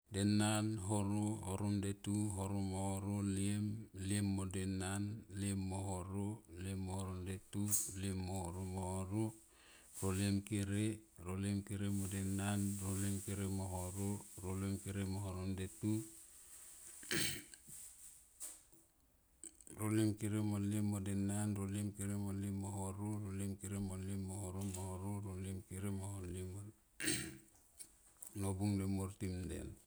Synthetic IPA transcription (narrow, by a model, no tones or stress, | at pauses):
denanɦoɾohoɾondetuɦoɾomohoɾoliemliemːodenanlemːohoɾoliemːohoɾondetuliemːohoɾomohoɾo | ɾoliemkeɾeɾoliemkeɾemodenanɾolemkeɾemoɦoɾoɾolemkeɾemoɦoɾondetu | ɾolemkeɾemolemodenanɾoliemkeɾemolimoɦoɾuɾolemkeɾemolemohoɾomohoɾoɾoliemkeɾemoholimo | nobuŋdemoɾtimdḛn